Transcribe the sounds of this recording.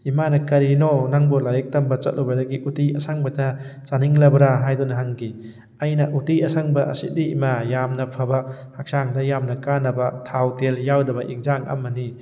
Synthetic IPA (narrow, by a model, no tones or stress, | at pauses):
imanɐkɐɾinonaŋbɔlajek̚tɐmbɐt͡ʃɐ̰t̚lɔbɐdɐɡiʔutiɐsaŋbɐtʰɐt͡ʃaniŋlɐbɐɾaɦajdunɐɦaŋɡi | ajnɐʔutiɐsaŋbɐʔɐ̰sḭt̚diimajamnɐpʰabɐhak̚saŋdɐjamnɐkanːɐbɐtʰawteljawdɐbɐʔiŋzaŋɐ̰mːɐni